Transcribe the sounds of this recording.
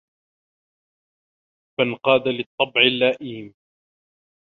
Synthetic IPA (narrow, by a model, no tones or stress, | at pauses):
fanqɑːd̪alɪt̪ˤːɑbʕɪlːaːʔiːm